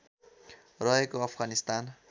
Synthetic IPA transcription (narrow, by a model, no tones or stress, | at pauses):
rʌɦekoʌpʰɡanist̪an